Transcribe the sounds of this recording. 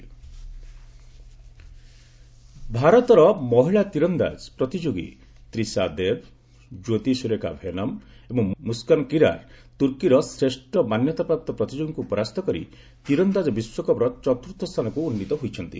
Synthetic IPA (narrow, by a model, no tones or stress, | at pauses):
bʱaɾɔt̪ɔɾɔmɔɦiɭat̪iɾɔnd̪a̰d͡ʒpɾɔt̪id͡ʒoɡḭ | t̪ɾisad̪eb̚ | d͡ʒot̪isuɾeka̰bʱenɔm | ebɔŋmuskankiɾa̰ɾt̪uɾkiɾɔsɾeʃʈɔmanjɔt̪apɾap̚t̪ɔpɾɔt̪id͡ʒoɡiŋkuːpɔɾast̪ʰɔkɔɾḭ | t̪iɾɔnd̪ad͡ʒɔbiswɔkɔbɾɔt͡ʃɔt̪ɾut̪ʰːɔst̪ʰanɔkuːnːit̪ɔɦojt͡ʃʰɔnt̪ḭ